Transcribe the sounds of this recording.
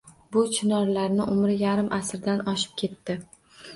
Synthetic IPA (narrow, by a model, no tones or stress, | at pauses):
bʊt͡ʃʰɪnɒɾlaɾnɪʔʊmɾɪjaɾɪmʔasɾd̪anɒʃɪ̥p̚kʲʰe̞t̪ːɪ